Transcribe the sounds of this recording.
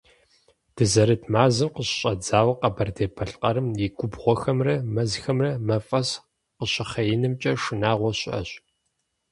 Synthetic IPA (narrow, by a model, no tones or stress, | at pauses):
d̥ɨzɐɾɨtʰmaːzɨmqəɕɕʼɐd͡zaːwɐqɐbɐrdeːbʰɐɬʼqʼɐɾɨmjɪɡʷʼʊbʁʷɔxɐmrɐmɐzxɐmrɐmɐfʼɐs | qəɕɪχɐjɪnɨmt͡ʃʼɐʂɨnaːʁʷɔɕʼɐ̰ɕʼ